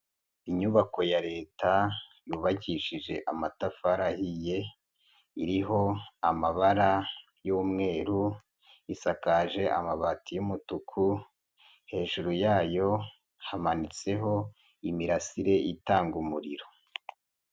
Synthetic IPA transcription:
iɲuβako̞jaɾe̞ːtajuːβaɟiʃiʒe̞ʔamatafaɾahije̞ | iɾiɦo̞amaβaɾa | juːmŋe̞ːɾu | isakaːʒe̞ʔa̰maβatijumutukʰu | he̞ːʒuɾujaːjo̞ | hamanit͡se̞ɦo̞ | imiɾasiɾe̞ʔitaːŋɡumuɾiɾo̞

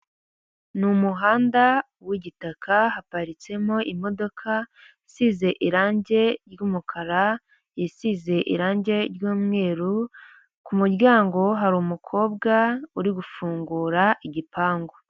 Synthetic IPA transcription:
numuɦaːnda | wiɟitakʰahapaɾit͡se̞moʔimo̞do̞kʰa | isize̞ʔiɾaːɲɟe̞ɾjuːmukʰaɾa | jisize̞ʔḭɾaːɲɟe̞ɾjuːmŋe̞ːɾu | kumuɾɟaːŋɡo̞ɦaɾumukʰo̞ːb̚ɡauɾiɡufuːŋɡuːɾaʔiɟipaːŋɡo

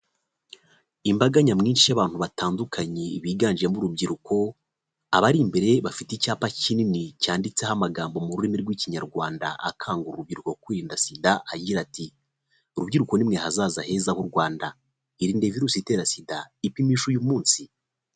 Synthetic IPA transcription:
imbaɡaɲamŋiːnʃijaβaːn̥huβataːndukʰaɲeiβiːɡaːnd͡ʒiɾemuɾubɟiɾukʰo̞ | aβaɾimbe̞ɾe̞βafiticaːpacininicaːndit͡se̞hamaɡaːmbo̞muɾuɾimiɾɡwiːciɲaɾɡwaːnda̰a̰kʰaːŋɡuɾuɾub̚ɟiɾuko̞kwiːɾiːndasidaaɟiɾati | uɾubɟiɾuko̞nimŋe̞hazaːzahe̞ːzahuɾɡwaːnda | iɾiːnde̞viɾuːsite̞ːɾasidaipimiːʃujumuːnsi

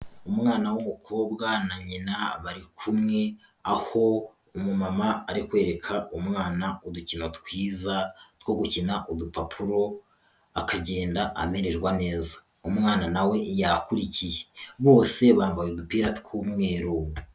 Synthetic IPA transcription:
umŋaːnawomukʰo̞ːbɡanaɲinaβaɾikʰumŋe̞ | aho̞ː | mumamaːɾikwe̞ːɾe̞kʰaumŋaːnauducinotkwiːzat̪wo̞ɡucinaʔodupapʰuɾo̞ | akaɟe̞ːndaʔa̰me̞ɾeɾɡwane̞ːza | umŋaːnanawe̞jakuɾicijeβo̞ːse̞βaːɱvajodupiːɾatkuːmŋe̞ːɾowu

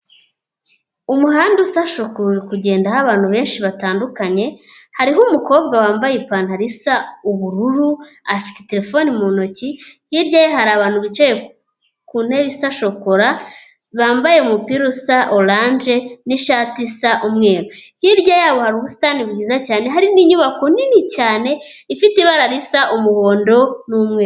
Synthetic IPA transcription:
umuɦaːndusaʃokuɾɾikuɟe̞ːndahaβaːn̥huβe̞ːnʃiβataːndukaɲe̞haɾiɦumuko̞ːbɡawaːmbajepaːnhaɾisauβuɾuɾuafi̥tete̞ɾe̞fo̞nimuno̞cihiɾɟajeɦaɾaːβaːn̥huβit͡ʃeje | kun̥eβisaʃo̞koɾa | βaːmbajemupiɾusaʔolaːnd͡ʒe̞niʃatisaʔumŋe̞ːɾohiɾɟajaβohaɾuβusi̥tanibɡiːzacaːne̞ɦaɾiniɲuβakoninicaːne̞ | ifitiβaɾaɾisaʔumuho̞ːndo̞nuːmŋeːɾo

